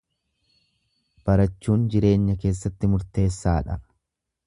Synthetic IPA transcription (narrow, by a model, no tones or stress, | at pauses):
b̥ɐɾɐt͡ʃːuːnd͡ʒɪɾe̞ːɲːɐke̞ːsːɐt̪ːɪmʊɾt̪e̞ːsːaːᶑɐ